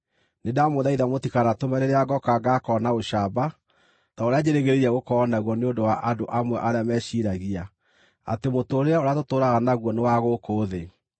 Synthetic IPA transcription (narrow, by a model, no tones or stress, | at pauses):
nedamoðaiðamotikanatomɛɾeɾeaɡɔkaɡakɔnaoʃaba | taoɾead͡ʑeɾeɣeɾeɾiaɣokɔːnaɣwɔneondowaʔadoʔamwɛʔaɾeamɛʃiɾaɣia | a̰temotoːɾeaoɾeatotoːɾaɣanaɣwɔnewaɣokoːðe